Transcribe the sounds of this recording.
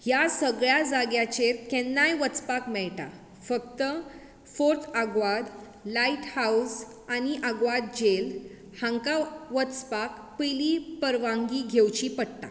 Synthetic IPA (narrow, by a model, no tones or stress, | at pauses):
jasəɡɭjad͡zaɡjat͡ɕeɾkɛnːajʋət͡spakmɛɭʈa̰ | fəkt̪ə | foɾt̪ʰaɡʋad̪ | laiʈhaus | añiʔaɡʋad̪d͡ʑel | hãŋkaʋət͡spak | pilipəɾʋãŋɡiɡʱewt͡ɕipəɽt̪a̰